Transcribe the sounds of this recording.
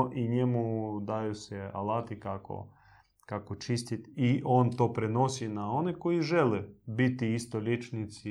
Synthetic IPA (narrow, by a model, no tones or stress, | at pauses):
ʔiɲemud̪ajusɛa̰lˠat̪ikako̰ | kakot͡ʃist̪it̪iʔont̪oːpɾɛnosinaonikoiʒɛlɛbit̪iist̪olʲet͡ʃnit̪si